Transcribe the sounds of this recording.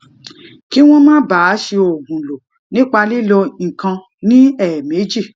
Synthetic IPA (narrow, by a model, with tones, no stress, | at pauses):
ki˦w̃ɔ̃˦mãː˦ba˨˦ʃe˧o˨ɡũ˨lo˨ | nĩ˦k͡pa˧li˦lo˧n̩˨kã˧ | nĩ˦ɛ˦˨me˨˦d͡ʒi˦˨